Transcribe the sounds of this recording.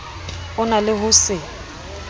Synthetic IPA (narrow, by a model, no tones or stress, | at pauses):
ʊnalɪɦʊsɪ